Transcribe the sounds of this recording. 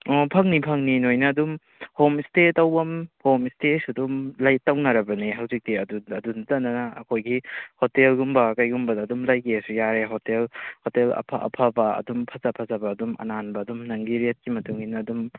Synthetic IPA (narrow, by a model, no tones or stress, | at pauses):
ɔpʰɐŋnipʰɐŋninojnɐːdum | homistetɐwbɐmhomistesɐdumlajtːɐwnɐɾɐbɐniɦawzik̚diɐduɐdunzɐnːɐnɐɐkʰojɡihotelɡumbɐkajɡumbɐdaːdumlajkʰiasujaɾeɦotelhotelɐ̰pʰa̰ʔɐ̰pʰabɐɐ̰dumpʰɐzapʰɐzɐbɐːdumɐ̰nanbɐːdumnɐŋɡiɾet̚kimɐtuŋinɐːdum